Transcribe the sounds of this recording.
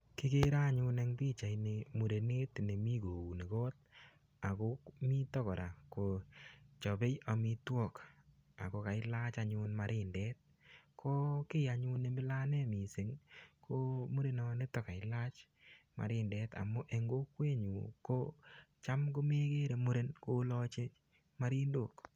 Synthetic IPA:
kɪ˦ke˦ɾa˦ɲu˧ne˦ŋpi˦t͡ʃa˨ine˧mu˨ɾe˨ne˦tne˨mi˦ko˨u˨ne˨ko˦t̚ | a˨ko˦kmi˦tɔ˦kɔ˨ɾa˨ko˨t͡ʃɔ˨be˦ja˨mi˦twɔ˦˨k | a̰˨ko˧ka˨ɪla˦t͡ʃaɲu˧nma˨ɾʔɪ˦ndɛ˦t̚ | kʰo˦kɪ˦ja˨ɲu˦ne˨˦mbɪ˦la˦ne˦mi˨se˨˦ŋkʰo˦mu˦ɾe˨nɔ˦ne˦tɔ˨ka˨ɪ˦la˦t͡ʃ | ma̰˨ɾɪ˦nde˦ta̰˨mʊ˦ʔe˨ŋɡo˦kwe˦ɲu˨ko˦t͡ʃa˦mko˦me˦ke˦ɾe˨mu˦ɾe˦nko˦lɔ˦t͡ʃe˦ | ma˦ɾi˦ndo˦˨k

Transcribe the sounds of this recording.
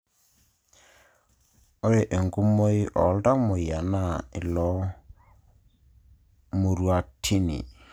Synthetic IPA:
o˦ɾe˨ʔe˨ŋɡu˦mo˦i˦ʔɔ̰˨˦lda˦mo˨ja˨na˦˨ɪ˨lɔ˨˦ | mo˨ɾwa˨tʰi˦nḭ˨

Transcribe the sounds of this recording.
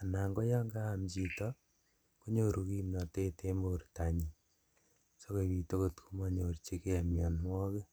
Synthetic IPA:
a˨na˨ŋɡo˦ja˦ŋɡaː˦˨mt͡ʃi˨tɔ˦ | ko˦ɲo˦ɾu˨ki˦mna˨te˦tʰe˦mborta˨ɲi˨ | so˦ko˨βi˨to˦ko˨tkʰu˦ma˦ɲo˨rt͡ʃe˦ke˦a˨mja˨nmwɔ˦ke˦

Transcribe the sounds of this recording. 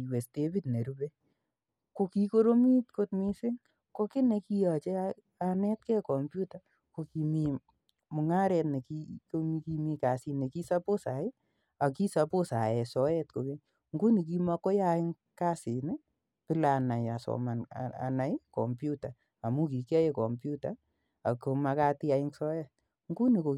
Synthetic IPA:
we˨ste˦bi˦tne˨ɾu˦be˦ | ko˧ki˦ko˦ɾo˦mi˦tko˦t̚mi˦sɪ˦ŋ | ko˦kɪ˦ne˧ki˧ja˨t͡ʃe˦a | a˨nɛ˦t̚kɛ˦kɔ˨mpju˦ta˨ | ko˧ki˨mi˨ | mʊ˨ŋa˦ɾɛ˧tne˨ki˧ko˦mi˧ki˧mi˧ka˨si˧ne˨ki˦sa˦po˦sa˨ɪ˦ | a˨ki˦sa˧po˦sa˨jɛ˨sɔ˨˦jɛt̚ko˨ke˦ | ŋɡu˦ni˨k̬i˦ma˧ko˦ja˦ɪ˦ŋ | ka˦si˨ne˦ | pɪ˦la˨na˨ja˨sɔ̰˨ma˨n̰a̰˨na˨jkɔ˨mpju˦ta˨ | a˨mu˦k̬i˨ka˦je˨kɔ˨mpju˦ta˦ | a˨ko˨ma˧ka˦ti˦a˨ɪ˦ŋsɔ˦jɛ˦t̚ | ŋɡu˦ni˨ko˨

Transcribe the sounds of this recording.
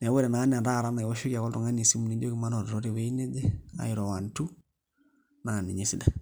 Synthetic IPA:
nɛ˨wo˦ɾɛ˨na˨˦n˦˨da˦˨ɾa˦na˨wɔ˦ʃu˦ka˨kɔ˦ltu˨ŋa˦ni˨si˦mu˨ni˨˦do˦ki˨ma˦nɔ˨dɾo˦ɾe˨we˦i˦ne˦dɛ˦a̰˨ɪ˨ɾɔ˨wa˨ntu˦ | na˨ni˨ɲe˦si˦da˨

